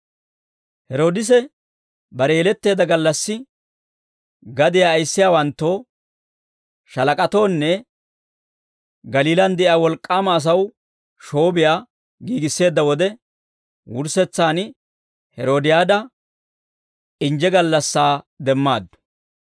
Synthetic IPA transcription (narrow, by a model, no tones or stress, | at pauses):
hɛɾo̞ːd̪ɪs̬ɛ | bɐɾɛjɛlɛt̪ːe̞ːd̪ɐɡɐlːɐsːɪ | ɡɐd̪ɪjaːjsːɪjaːwɐnt̪ːoː | ʃɐlɐkʼɐt̪o̞ːnːɛ | ɡɐliːlɐnd̪ɛʔɪjaːwɔlkʼːaːmɐːs̬ɐw | ʃo̞ːbɪjaː | ɡiːɡɪsːe̞ːd̪ːɐwɔd̪ɛ | wʊɾsɛt͡sːaːn | hɛɾo̞ːd̪ɪjaːd̪ɐ | ɪnd͡ʒɛɡɐlːɐsːaːd̪ɛmːaːd̪ːʊ̥